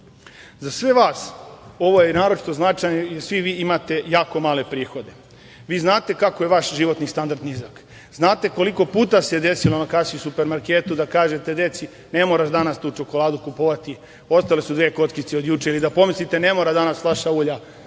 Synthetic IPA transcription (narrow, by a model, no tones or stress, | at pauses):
zasʋe̞ʋaːso̞ʋo̞jenaːɾot͡ʃi̥t̪o̞znat͡ʃajɲejeɾsʋiʋiːimat̪e̞jaːko̞maːle̞pɾiːxo̞d̪e̞ | ʋiːznaːt̪e̞kakojeʋaʃʒiʋo̞t̪nist̪and̪aɾd̪nizak | znaːt̪e̞ko̞liko̞puːt̪ased̪e̞silo̞nakasiusupeɾmaɾkeːt̪ud̪akaːʒe̞t̪e̞d̪e̞t̪si | ne̞moɾaʃd̪anast̪uːt͡ʃo̞ko̞lˠaːd̪ukupoʋat̪i | o̞st̪alesud̪ʋeko̞t̪kit̪seo̞d̪juːt͡ʃeilid̪apo̞mislit̪e̞ne̞mo̞ɾad̪anaslaʃauːʎa